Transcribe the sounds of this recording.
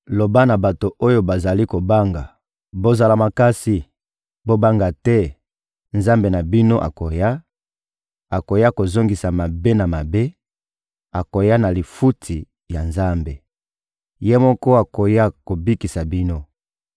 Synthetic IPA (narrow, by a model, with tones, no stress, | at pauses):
lo˨ba˦na˨ba˨to˨ʔo˦jo˦ba˨za˨li˦ko˨ba˦ŋɡa˨ | bo˦za˨la˨ma˨ka˦si˨ | bo˦ba˦ŋɡa˨tɛ˦ | nza˦mbe˨na˨bi˦no˦ʔa̰˨ko˨ja˦ | a˨ko˨ja˦ko˨zo˦ŋɡi˨sa˨ma˨be˦na˨ma˨be˦ | a˨ko˨ja˦na˨li˨fu˦tʰi˨ | ja˨nza˦mbe˨ | je˦mɔ˦kɔ˦a˨ko˨ja˦ko˨bi˦ki˨sa˨bi˦no˦